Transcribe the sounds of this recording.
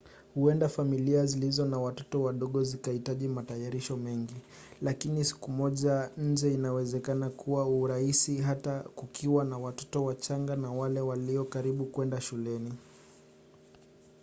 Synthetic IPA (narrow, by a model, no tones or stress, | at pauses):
huɛndafamiliazilizɔnawatɔ̥tɔwaɗɔɠɔzikahitaʄimatajaɾiʃɔmɛŋɡi | lakinisi̥kumɔʄaɲ̩d͡ʒɛinawɛzɛkanakuwauːɾahisiɦatakukʰiwanawatɔ̥tɔwat͡ʃaŋɡanawalɛwaliɔkaɾiɓukwɛndaʃulɛni